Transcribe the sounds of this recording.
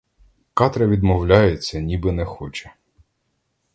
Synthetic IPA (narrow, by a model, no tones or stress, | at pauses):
kɑt̪ɾɐʋʲid̪mɔwlʲajet͡sʲːɐnʲibɪnɛxɔt͡ʃɛ̥